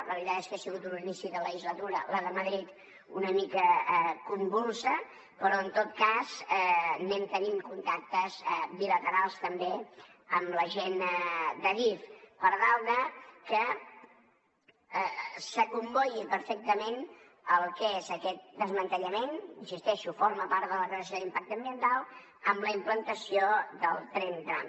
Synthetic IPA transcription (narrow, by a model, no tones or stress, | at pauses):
reəlit̪at̪eskəasiɣut̪uninisiðələʒizlət̪uɾələðəməðɾit̪ | ṵnəmikəkumbulˠsə | pəɾɔənt̪ot̪̚kazɛnɛmt̪ənimkunt̪ak̚t̪əzbilət̪əɾalˠst̪əmbeəmləʒend̪əβifpəɾðalˠðəkə | səkumbɔjipəɾfɛk̚t̪əmen | əlˠkezəkɛt̪̚d̪əzmənt̪əʎəmeninsist̪ɛʃufoɾməpaɾt̪ðələkəəs̬joðimpak̚t̪əmbiənt̪alˠ | əmləimplənt̪əsioðəlˠt̪ɾent̪ɾa̰m